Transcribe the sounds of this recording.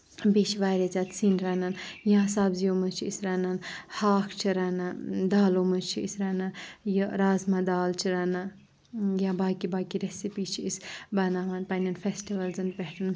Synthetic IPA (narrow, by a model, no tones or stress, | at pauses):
bit͡ʃʰʋajɾet͡sat̪sinɾɐnanjãːsabziomət͡ʃʰiisɾɐnanhaːkʰt͡ʃʰiɾɐnad̪aːlomɐt͡ʃʰiisɾɐnanjəɾaːzmad̪aːlt͡ʃʰiɾɐna | jãbaːkibaːkiɾesipiːt͡ʃʰiisbɐnaːʋɐnpɐnɐnfʰesʈiʋɐlzɐnpeʈʰɐn